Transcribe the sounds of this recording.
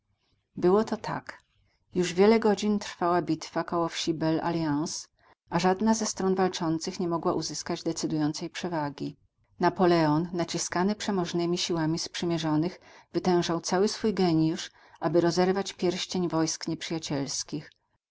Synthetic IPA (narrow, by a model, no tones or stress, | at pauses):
bɘwɔt̪ɔt̪ʰa̰k | juʐvʲjɛlɛɡɔd͡ʑint̪ɾ̥fawabʲit̪fakɔwɔfɕibɛla̰lʲjãws | ʔaʐad̪nazɛst̪ɾɔnvalt͡ʂɔnt̪sɘxɲɛmɔɡwaʔuzɘskad͡ʑd̪ɛt̪sɘd̪ujɔnt̪sɛjpʂɛvaɡʲi | napɔlɛɔnːat͡ɕiskanɘpʂɛmɔʐnɘmʲiɕiwamʲispʂɘmʲjɛʐɔnɘxvɘt̪ɛ̃w̃ʐawt̪sawɘsfujɡɛɲjuʂ | ʔabɘɾɔzɛɾvat͡ɕpʲjɛɾɕt͡ɕeɲvɔjskɲɛpʂɘjat͡ɕɛlskʲix